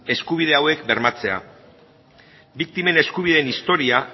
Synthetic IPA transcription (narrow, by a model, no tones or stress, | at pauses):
e̞skuβ̞ið̞e̞awe̞kbe̞ɾmat͡se̞a̰ | bik̚t̪ime̞ne̞skuβ̞iðe̞ːnist̪o̞ɾia